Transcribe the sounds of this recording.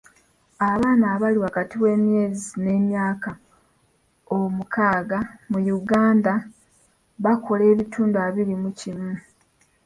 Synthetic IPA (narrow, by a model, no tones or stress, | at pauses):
aβaːnaːβaliwakatiwe̞ːmje̞ːzine̞ːmjaːka | omukʰaːɡamujuɡaːnda | βakʰo̞le̞ːβitʰuːnduaβiɾimucimu